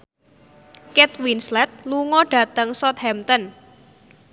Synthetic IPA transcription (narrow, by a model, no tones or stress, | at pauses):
kɛt̪winslɛt̪̚luŋɔɖ̥a̤t̪əŋsɔt̪̚hɛmt̪ɔn